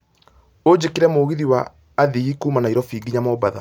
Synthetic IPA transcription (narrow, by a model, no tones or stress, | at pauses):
od͡ʑekeɾɛmoɣiðiwaː | ðiɣikuːmanaiɾɔfiːɡiɲamɔbaða̰